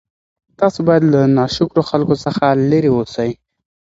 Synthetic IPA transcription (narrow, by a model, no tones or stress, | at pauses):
t̪ɑsobɑjad̪lanɑʃʊkɾoxalkosəxaləɾewosaj